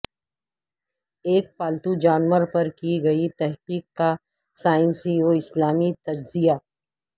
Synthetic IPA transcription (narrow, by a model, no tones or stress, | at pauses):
eːk̚paːlt̪ud͡ʒaːnwəɾpɐɾkiɡɐit̪ɛɦqiːqka | saːɪ̃nsioːɪslaːmit̪ɐd͡ʒzija